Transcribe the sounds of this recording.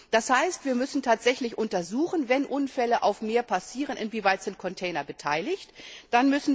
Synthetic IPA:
d̥ashaɪstv̥iːɐmʏsn̩tʰaːtz̥ɛçlɪçʔʊntɐzuːχn̩vɛnʔʊnfɛləʔaʊfmeːɐpasiːʁ̞ənɪnviːvaɪtz̥ɪnt̚kʰɔntʰɛɪnɐbətʰaɪlɪçtd̥anmʏsn̩

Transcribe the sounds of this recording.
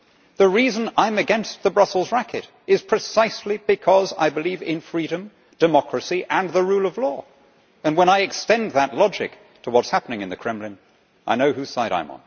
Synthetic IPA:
ðɨɹizɨ̃nãɪ̃mɨɡɛ̃nst̪̚ðəbɹʌsl̩ˠzɹækɨɾ | ɨz̥pʰɹ̥ɨsaɪslibɨkʰʌza̰ɪbɨlivɪ̃nfɹiɾɨ̃m | d̥ɨmɑkʰɹɨsiʔɨ̃nðəɹulˠʌvlɔ | ɨ̃nwə̃ñaɪɨkstɛ̃nðətˡlɑd͡ʒɨ̰k̚ | tʰəwʌtshæpənɪ̃ŋɨ̃nðɨkʰɹ̥ɛ̃mlɨ̃n | ʔa̰ɪnoʊhʉ̥saɪɾa̰ɪ̃mə̰̃n

